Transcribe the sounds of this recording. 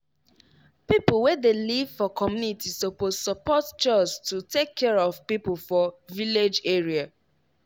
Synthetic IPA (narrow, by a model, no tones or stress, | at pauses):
pipulwɛdelivfɔkɔmjunitisopozsɔpɔtt͡ʃɔstutekʰːɛɹɔvpipufɔviled͡ʒeɹia